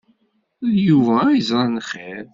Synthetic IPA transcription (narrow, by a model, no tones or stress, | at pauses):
juvæizɾˤɑnχeɾ